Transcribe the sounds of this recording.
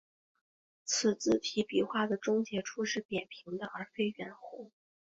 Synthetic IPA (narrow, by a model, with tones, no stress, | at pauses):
t͡sʰɹ̩˨˩t͡sɹ̩˥˩t̪ʰi˧˥pi˨˩xwa˥˩d̪ə˩ʈ͡ʂʊ˥ŋt͡ɕjɛ˧˥ʈ͡ʂʰu˥ʂɻ̩˥˩p̪jɛ˨˩npʰi˧˥ŋd̪ə˧ʔə˞˧˥fe˥ɪɥɛ˨˩nxo˧˥